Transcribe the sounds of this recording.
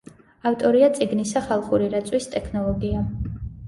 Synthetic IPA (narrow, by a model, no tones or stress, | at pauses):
aft̪ʼɔɾiat̪sʼiɡnisaχalˠχuɾiɾat̪sʼwist̪ʼɛkʰnɔlˠɔɡia